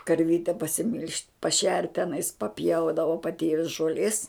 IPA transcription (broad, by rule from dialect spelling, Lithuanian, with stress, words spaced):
kɐrʲˈʋʲiːtʲɛ pɐsʲɪˈmʲɪlʲʃʲtʲ pɐˈʃʲɛrt tʲɛˈnɐɪs pɐˈpʲjɛʊdɐʋoː pɐˈtʲeːʋʲɪs ʒoːˈlʲeːs